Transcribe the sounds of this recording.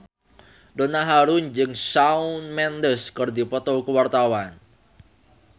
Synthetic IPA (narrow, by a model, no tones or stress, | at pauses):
donaɦaɾʊnd͡ʒɨŋsaunmɛndəskərdipɔt̪ɔkəwart̪awan